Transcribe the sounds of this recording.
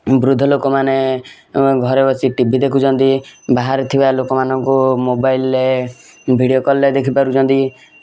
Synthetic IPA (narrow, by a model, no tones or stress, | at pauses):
bɾud̪ʱːɔlokɔmane | ɡʱɔɾebɔsiʈibʱid̪ekʰut͡ʃʰɔnt̪ibaɦaɾt̪ʰibalokɔmanɔŋkumobajlːe | bʱiɽiokɔlːed̪ekʰipaɾut͡ʃʰɔnt̪i